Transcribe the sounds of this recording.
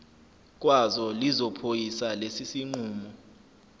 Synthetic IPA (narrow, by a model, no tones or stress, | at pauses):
k̬ʼwazɔlizɔpʰojisalesisiŋ͡ǀuːmɔ